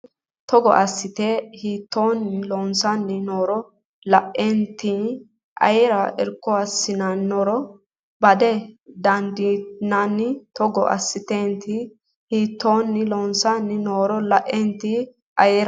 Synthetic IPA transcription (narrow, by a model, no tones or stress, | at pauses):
t̪ɔɡɔ̰ʔɐsːɪt̪ehiːt̪ːoːnːɪlonsanːɪnoːɾɔ | lɐʔɛnt̪i | ʔɐ̰jɛɾɐʔɛɾkːɔɐsːɪnɐnːɔɾɔ | bɐd̪ɛd̪ɐnd̪ɪnɐnːɪt̪ɔɡɔ̰ʔɐ̰sːɪt̪ent̪ɪ | hiːt̪ːoːnːɪlonsanːɪnoːɾɔlɐʔːɛnt̪i | ʔɐjɛɾ